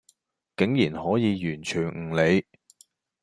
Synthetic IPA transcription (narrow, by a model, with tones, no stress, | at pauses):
kɪ˨˥ŋjiː˨˩nhɔː˨˥jiː˨˧jyː˨˩nt͡ʃʰyː˨˩nŋ̩˨˩le˨˧j